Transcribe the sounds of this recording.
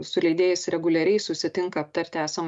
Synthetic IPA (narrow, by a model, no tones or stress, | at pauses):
sʊlʲɛɪd̪ʲeːjɪsɾʲɛɡʊlʲɛɾʲɛɪsʊsʲɪt̪ʲɪŋkɐːp̚t̪ɐɾʲt̪ʲɪæːsɐm